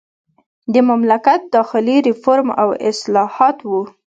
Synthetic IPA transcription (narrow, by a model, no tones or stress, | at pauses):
d̪əmamlakat̪̚d̪ɑxɪliɾɪfoɾma̰wɪ̰slɑhɑt̪wu